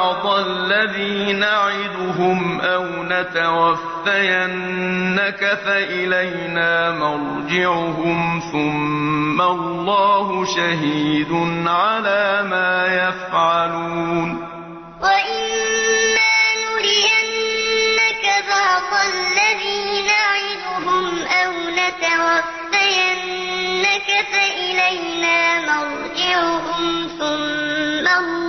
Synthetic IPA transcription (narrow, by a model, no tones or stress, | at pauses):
ʕd̪ˤɑlːaðiːnaʕɪd̪ʊɦʊmʔawnat̪awafːajanːakaθaʔɪlaj | naːmɑɾˤ | d͡ʒɪʕʊɦʊmθʊmːalˤːɑːɦʊʃaɦiːd̪ʊnʕalaːmaːjafʕaluːn | waʔɪnː | aːnʊɾɪʔanːakafahsˤalːaðiːnaʕɪd̪ʊɦʊmʔawnat̪awabːajanː | akafaʔɪlajnaːmaɾ | ɡ̪ɪʕʊhʊmθʊmːa